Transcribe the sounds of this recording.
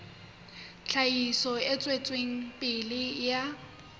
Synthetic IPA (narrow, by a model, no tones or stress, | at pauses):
t͡ɬʰaisɔɪt͡sʼwet͡sʼweŋ̩pʼɪlɪja